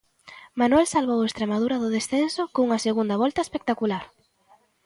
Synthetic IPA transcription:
manwɛlsalβowest̪ɾemaðuɾɐðʊðesθensʊkouŋɐseɣund̪ɐβɔlt̪ɐespek̚t̪akulaɾ

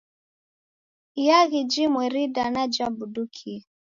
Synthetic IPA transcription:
ijaɣid͡ʒimwɛɾidanad͡ʒabudukʰi

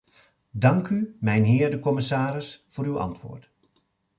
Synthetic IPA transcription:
dɑŋkymɛjnɦɪːɹdəkɔmɪsaːɾɪsv̥ʊːɾywɑ̰ntʋʊ̰ːɹt

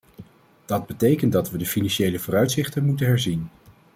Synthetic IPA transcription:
d̥ɑd̚bətejkəntdɑtʋədəfinɑnʃejləvʊːrœɥtsɪχtənmutənɦɛɹzin

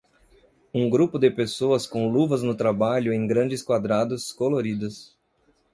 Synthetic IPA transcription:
ũɡɾupʊd̪ɪpesoɐskõluvɐznʊt̪ɾabaʎʊẽj̃ɡɾɐ̃nd͡ʒɪskwad̪ɾad̪ʊskoloɾid̪ʊs

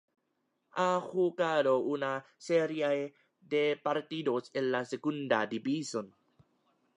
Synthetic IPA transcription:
ʔaxukaɾounaseɾiaj | depaɾt̪idosenːasekundadibison

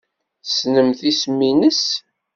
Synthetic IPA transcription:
snəmθismːinəs

